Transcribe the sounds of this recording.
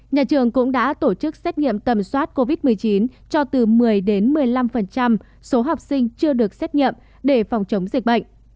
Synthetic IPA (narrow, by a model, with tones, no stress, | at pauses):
ɲaː˨˩t͡ɕɨ˨˩əŋkʊ̰˧˥ŋ͡mɗa̰ː˧˥t̪o˧˩t͡ɕɨ˦˥k̚sɛ˦˥t̚ɲḭ˧˨ə˨mt̪ə˨˩mswaː˦˥t̚ko˧vi˦˥t̚mɨ˨˩əjt͡ɕi˨˦nt͡ɕɔ˧t̪ɨ˨˩mɨ˨˩əjɗe˨˦nmɨ˨˩əjla˧mfə˨˩nt͡ɕa˧m | so˨˦ɦa˨˩wk͡p̚sï˧ŋ̟t͡ɕɨ˧əɗɨ˨˩ək̚sɛ˦˥t̚ɲḭ˧˨əm | ɗe˧˩fa˨˩wŋ͡mt͡ɕə˨˦wŋ͡mzï˨˩k̚ɓə̰˧˨jŋ̟